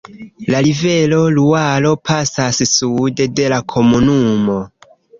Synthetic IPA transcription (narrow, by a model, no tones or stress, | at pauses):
lalive̞lo̞lualo̞pʰasassude̞de̞lakʰo̞munumo